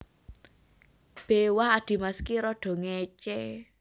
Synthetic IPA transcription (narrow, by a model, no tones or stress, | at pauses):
b̥ewahad̪̥i̤maskiɾɔɖ̥ɔ̤ŋet͡ʃe